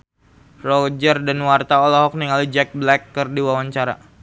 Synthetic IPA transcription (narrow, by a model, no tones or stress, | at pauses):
rɔd͡ʒərdanwart̪aɔlɔɦɔk̚niŋalid͡ʒɛk̚blɛkːərdiwawaɲt͡ʃaɾa̰